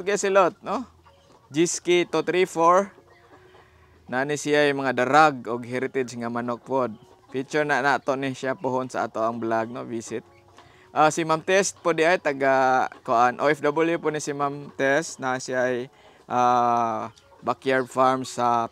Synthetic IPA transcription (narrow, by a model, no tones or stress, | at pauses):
ɡaasɪlot̪̚no | d͡ʒiskit̪ut̪ɾifoɹ | naʔanisɪajmaŋad̪aɾaɡ̚ʊɡɦɛɾɪt̪ɛd͡ʒŋamanok̚pod̪̚ | fit͡ʃʊɹnaʔnat̪oʔniʃjapʊɦʊnsa̰a̰t̪oʔaŋblaɡ̚novisɪt̪̚ | ʔasimamt̪ɛst̪̚pʊd̪ɪʔajt̪aɡakoʔanʔoʔɛfd̪abəljʊpʊnisimamt̪ɛst̪̚naansɪaj | ʔa | bakjaɹfaɹmsa